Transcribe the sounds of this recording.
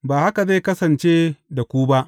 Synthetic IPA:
baː˨ha˦ka˨za˦˨kɐ˦sɐ˨nt͡ʃeː˦da˨kʷu˦ba˦ʔ

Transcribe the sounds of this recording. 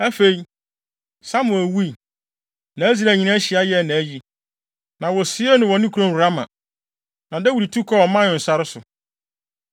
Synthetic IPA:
æ˦fe˨i˦ | sa˦mʊ̃˨æ˨wu˦i˨ | nã˨æ˦zi˦ɾæ˨ɲĩ˨nã˦ɕi˨a˦jɛ˨˦˨nã˨˦ji˦ | nã˨wɔ˨sɪ˦ɛ˦nʊ̃˨wɔ˨nɪ̃˦kʰu˨ɾõ˦˨hu˨ɾa˦mã̰˨ | nã˨dɛ˦wu˨ɾi˨tʰu˦kʰɔ˦ɔ˨mã˦nɪ̃˨n̩˨sa˦ɾɪ˦sʊ˨

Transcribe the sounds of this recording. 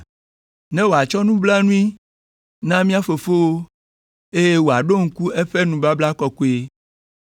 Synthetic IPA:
nɛ̃˦wo˨a˨t͡ʃɔ˦nũ˦bla˦nũ˦i˦ | nã˦mĩ˦a˦fo˨fo˦wo˦ | e˦je˦wo˨a˨ɖo˦ŋ̩˦ku˦e˦ɸe˦nũ˨ba˦bla˦kɔ˨ku˨˦e˨

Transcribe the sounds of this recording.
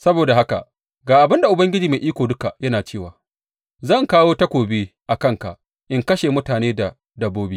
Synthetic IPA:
sɐ˦boː˨da˨ha˦ka̰˨ | ɡaː˨ʔa˨bɪ˦nda˨ʔʊ˨bɐ˦ŋɡʲɪ˦d͡ʒiː˨me˨ʔiː˦kʷoː˨dʊ˦ka˨jɐ˦naː˨t͡ʃeː˦˨waː˨ | zɐ˦˨ŋkaː˦woː˦tɐ˦kʷoː˨biː˦ʔa˨kɐ˦ŋka̰˨ʔ | ʔɪ˦ŋkɐ˦ʃeː˨mʊ˦taː˨neː˦da˨ | dɐ˨bːoː˦bi˦

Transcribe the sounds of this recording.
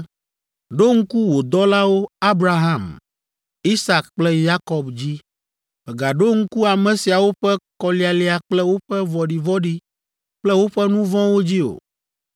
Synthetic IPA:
ɖo˦ŋ̩˦ku˦wo˨d̪ɔ˦la˦wo˦a˦bɾa˦ɦã˦˨m | i˦sa˨kk͡plɛ˦ja˦kɔ˨bd͡ʑi˦ | bɛ˨ɡa˨ɖo˦ŋ̩˦ku˦a˨mɛ̃˨si˨a˨wo˦ɸɛ˦kɔ˨li˨a˨li˦a˨k͡plɛ˦wo˦ɸɛ˦vɔ˨ɖi˨vɔ˦ɖi˦ | k͡plɛ˦wo˦ɸɛ˦nũ˦vɔ̃˦wo˦d͡ʑi˦o̰˨

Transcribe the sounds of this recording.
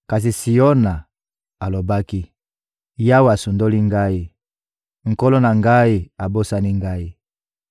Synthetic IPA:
ka˨s̬i˨si˨o˦na˨ | a˨lo˨ba˦ki˦ | ja˦wa˨su˨ndo˦li˦ŋɡa˦i˦ | ŋ̩˨ko˦lo˦na˨ŋɡa˦i˦a˨bo˦sa˦ni˦ŋɡa˦i˦

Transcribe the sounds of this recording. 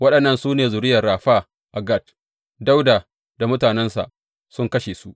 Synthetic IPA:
wɐ˦ɗɐ˨nːɐ˦nsuː˦neː˨zʊ˨ɾɪ˦jɐ˨rːaː˨ɸaː˦ | ʔa˨ɡɐ˦˨t̚ | da˦wdaː˨ | da˨mʊ˦taː˨nɛ˦nsa̰˨ʔ | sʊ˦ŋkɐ˦ʃeː˨su˦ʔ

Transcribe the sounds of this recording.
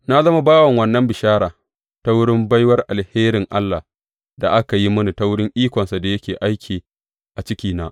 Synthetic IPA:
na˦zɐ˦ma˦baː˦wɐ˨ŋwɐ˨nːɐ˦mbɪ˨ʃaː˦ɾaː˨ | ta˦wʊ˦ɽɪ˦mba˦jwɐ˦rʔa˨lheː˦ɾɪ˨ŋʔa˦lːa˨ | da˨ʔa˦ka˨ji˦mʊ˦ni˨ta˦wʊ˦ɽɪ˦ŋʔiː˦kʷɔ˨nsa˨da˨jɐ˦kʲeː˨ʔa˦jkʲʰiː˨ | ʔa˨t͡ʃɪ˦kʲiː˨naː˦ʔ

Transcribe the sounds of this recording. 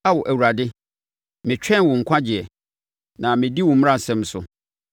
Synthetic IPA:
a˦wɔ˨ʔæ˨wu˨ɾa˨dɪ˦ | mɪ̃˨t͡ɕᶣɛ̃˦nwʊ̃˨ŋ̩˨kʷʰã˦d͡ʑɪ˨ɛ˨ | nã˨mɪ̃˨di˦wʊ̃˨m̃˦ã˦˨sɛ̃˦m˦sʊ̰˨

